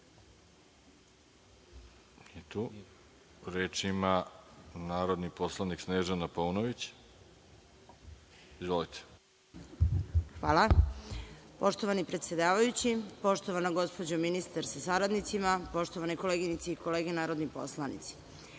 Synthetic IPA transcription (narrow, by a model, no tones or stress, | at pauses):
et̪u | ɾeːt͡ʃimanaːɾod̪niposlˠaniksneːʒanapounoʋit͡ɕ | izʋolit̪ʰe̥ | xʋaːlˠa | po̞ʃt̪o̞ʋanipɾet̪sjed̪aːʋajut͡ɕipo̞ʃt̪o̞ʋanaɡo̞spod͡ʑominist̪aɾsasaɾad̪nit̪simapo̞ʃt̪oʋaneko̞leːɡinit̪siiko̞le̞ːɡenaːɾod̪nipo̞̰slˠanḭt̪si̥